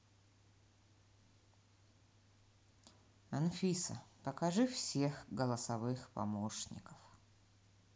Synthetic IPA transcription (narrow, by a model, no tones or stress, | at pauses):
ɐnfʲisə̰pəkɐʐɨfsʲexɡəlˠəsɐvɨxpɐ̰moʂnʲɪ̰kəf